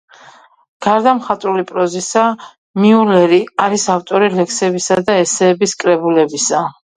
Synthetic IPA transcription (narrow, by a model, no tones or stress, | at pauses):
ɡ̥aɾd̪amχat̪ʼɾulipʼɾɔzisa | miulɛɾiaɾisaft̪ʼɔɾilɛksɛbisad̪aɛsɛːbiskʼɾɛbulɛbisa